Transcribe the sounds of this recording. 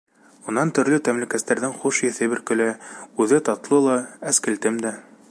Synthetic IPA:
ŭnːɑnt̪ɵ̆ɾlɵt̪æmlɘ̆kæst̪æɾðɘŋχuʃjɘ̆θɘbɘ̆ɾkɵ̆lɘʉðɘt̪ɑt̪lˠɤlˠɑæskɘ̆lt̪ɘmd̪æ

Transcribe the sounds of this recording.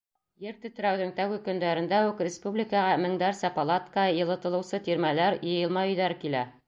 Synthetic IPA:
jɘɾt̪ɵ̆t̪ɘ̆ɾæwðɘŋt̪æwɘ̆kɵ̆nd̪æɾɘ̆nd̪æʉkrʲɪspublʲikəʁɑmɘ̆ŋd̪æɾsɑpɐlˠat̪kəjɤ̆lˠɤ̆t̪ɤ̆lˠɤ̆wsɤt̪iɾmælæɾjɤ̆jɤ̆lˠmɑjɵ̆jðæɾkilæ̰

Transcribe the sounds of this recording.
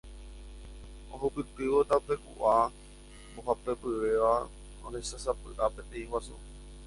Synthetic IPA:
oɦupɨt̪ɨʋot̪aupe̞kṵʔa | mboɦapepɨʋe̞ʋa | õɾesasapɨ̰ʔapẽ̞t̪ẽĩwasu

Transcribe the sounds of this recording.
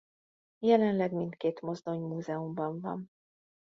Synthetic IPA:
jɛlɛnlɛɡmint̪keːt̪mo̞zd̪o̞ɲmuːzɛumbɒɱvɒ̰n

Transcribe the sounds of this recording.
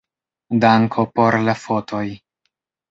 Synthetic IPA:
daŋkʰo̞po̞ɾlafo̞tʰo̞j

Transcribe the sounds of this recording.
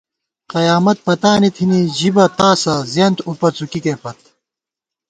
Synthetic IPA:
qɐjaːmɐt̪̚pɐt̪aːnit̪ʰiniʑibɐt̪aːsɐzeːnt̪upɐt͡sukikeːpɐt̪̚

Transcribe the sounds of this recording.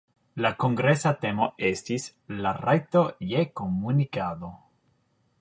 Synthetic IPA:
lakoŋɡɾesat̪emoestis | larajt̪ojekomunikad̪o̞

